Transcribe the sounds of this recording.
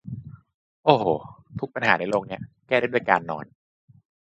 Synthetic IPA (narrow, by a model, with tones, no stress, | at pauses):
ʔoː˨˩hoː˨˩˦t̪ʰu˦˥k̚pa˧nhaː˩˦ɾaː˦˩jlo˧ŋni˦˥ɐkɛː˥˩ɾa˥˩du˥˩jkaː˧nːɔ̰ː˧n